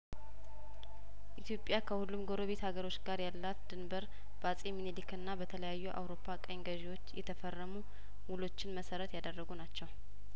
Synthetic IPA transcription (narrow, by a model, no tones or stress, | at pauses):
ʔit̪ʰjo̞pʼːjakʰəhulːumɡo̞ɾo̞βe̞t̪haɡəɾo̞t͡ʃːɡaɾjalːat̪d̪̥ɨnbəɾ | b̥əasʼeminelikɨnːabət̪ʰələjajːuʔa̰wɾo̞pʰːakʼəŋɡəʒewo̞t͡ʃːjɛt̪ʰəfərːəmu | wulo̞t͡ʃːɪnməsəɾət̪jad̪ərːəɡunat͡ʃːɛw